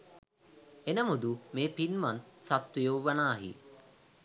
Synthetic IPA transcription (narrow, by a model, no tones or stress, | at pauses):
enəmud̪umeːpinmant̪sat̪ʋijowʋɐnaːɦḭ